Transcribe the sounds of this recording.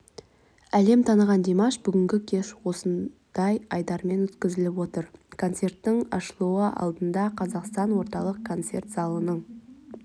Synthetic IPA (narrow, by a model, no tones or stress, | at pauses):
æle̞mt̪ʰɑnəʁɑnd̪emɑʃbʏɡʲɪŋɡʲɪkʲʰe̞ʃwo̞sən | d̪̥ɑjɑjd̪ɑɾme̞nwɵt̪kʲɪzɪlɪpwo̞t̪əɾkʰo̞nt̪se̞rt̪ːɪɴɑ̰ʃəlˠuəʔɑ̰lˠd̪ənd̪ɑqʰɑzɑqst̪ɑnwo̞ɾt̪ɑlˠəq̚kʰo̞nt̪se̞rt̪sɑlˠənəɴ